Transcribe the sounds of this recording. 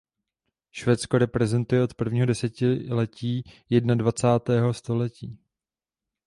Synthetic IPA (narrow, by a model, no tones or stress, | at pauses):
ʃvɛːt͡sko̞ɾɛpɾɛzɛnt̪ujɛʔo̞t̪pr̩vɲiːɦodɛsɛcɪlɛciːjɛdnadvat͡saːt̪ɛːɦo̞st̪o̞lɛciː